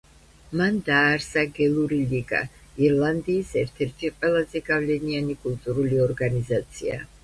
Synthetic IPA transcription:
mand̪aːɾsaɡɛlˠuɾiliɡa̰ | iɾlˠand̪iːsɛɾt̪ʰɛɾt̪ʰiqʼwɛlˠazɛɡavlɛnianikʼulˠt̪ʼuɾuliɔɾɡanizat̪sʰia̰

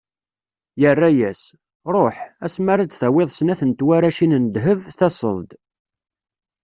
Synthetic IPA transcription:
jərːæjæs | ɾˤoħæsmaɾad̪θæweðˤsənæθənt̪waɾæʃinənd̪ɦəvθæsə̰lˤd̪

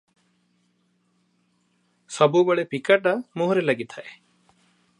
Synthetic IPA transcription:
sɔbubəɭepikaʈamoɦɾelaɡit̪ʰaʔe

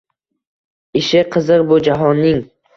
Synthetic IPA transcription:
ɪʃɪqʰɨzɨqbʊd͡ʒaɦɒnːɪŋ

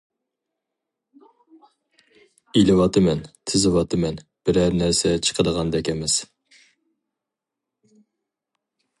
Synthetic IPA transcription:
ilɨwɑt̪ʰɨmɛnt̪ʰɪzɨwɑt̪ʰɨmɛnb̥ɪɾæɾnæɾsɛt͡ʃʰə̥qʰəd̪əʁɑnd̪ɛkʲɛmɛz̥

